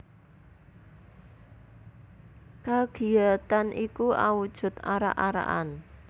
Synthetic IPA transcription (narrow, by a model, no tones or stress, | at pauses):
kaɡ̥i̤at̪anʔikua̰wud̥ʒ̥ʊ̤t̪aɾa̰ʔaɾa̰ʔan